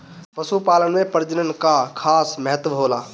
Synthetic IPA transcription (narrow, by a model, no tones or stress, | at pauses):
pəsupaːlənmẽpəɾd͡ʒənənkakʰaːsməɦət̪ʋəɦoːlaː